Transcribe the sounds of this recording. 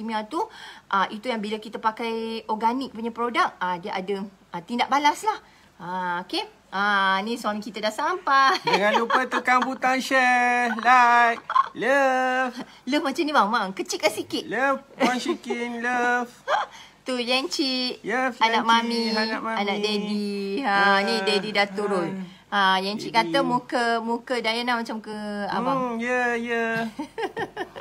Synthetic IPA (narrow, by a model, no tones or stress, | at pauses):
imiat̪uʔaʔit̪ujaŋbilakit̪əpakajɔɡanik̚puɲapɾodak̚adiaʔadə | at̪indaʔ̚balaslah | aoke | ʔanĩsamikit̪adaʔsampadəŋãnlupət̪ukaŋput̪aŋʃəlajkləf | ləfmat͡ʃamnibaŋmaŋkət͡ʃitʔ̚kasikit̪ləfwasikinləf | t̪ujɛnt͡ʃiʔjəanaʔmãmiaʔaanaʔdedianĩdedidat̪uɾʊn | ajɛnt͡ʃiʔkat̪amukəmukədajanahmat͡ʃamkəa̰ajəjə